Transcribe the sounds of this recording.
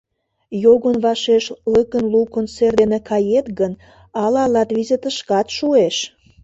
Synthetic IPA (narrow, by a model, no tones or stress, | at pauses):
joɣənβɑʃeʃləkənlukonserd̪enekɑjet̪ɡən | ɑlɑlɑt̪βizet̪əʃkɑt̪ʃueʃ